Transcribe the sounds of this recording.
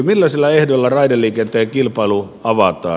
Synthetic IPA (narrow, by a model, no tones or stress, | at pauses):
milːæselːɑehdolːɑrɑidelːˑiːkent̪ːˑeˑjjɑkilpɑilu | ɑʋɑt̪ˑɑ̰ː